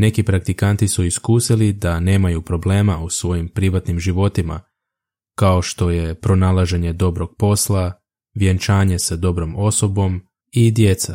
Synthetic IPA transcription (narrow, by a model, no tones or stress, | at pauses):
ne̞kipɾak̚t̪ikant̪isuiskuːsilid̪ane̞ːmajupɾo̞ble̞ːmausʋo̞jimpɾiʋat̪nimʒiʋo̞t̪ima̰ | kao̞ʃt̪o̞je̞pɾo̞nalˠaʒe̞ɲe̞d̪o̞bɾo̞ɡ̥̚po̞slˠa | ʋjent͡ʃaːɲe̞sad̪o̞bɾo̞mo̞so̞bo̞m | id̪je̞t̪sa